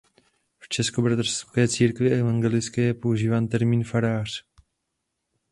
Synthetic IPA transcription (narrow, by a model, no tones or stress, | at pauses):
ft͡ʃɛsko̞bɾat̪r̥skɛːt͡siːɾkvɪʔɛvaŋɡɛlɪt͡skɛjɛpo̞uʒiːvaːnt̪ɛɾmiːnfaɾaːr̝̥